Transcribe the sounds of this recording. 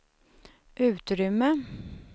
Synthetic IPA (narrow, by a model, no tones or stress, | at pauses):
ʔʉ̟ːt̪ɾʏmːə